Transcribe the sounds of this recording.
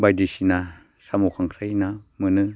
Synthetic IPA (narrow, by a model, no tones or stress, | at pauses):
bajdisina | samukʰaŋkʰɾajnamɯnɯ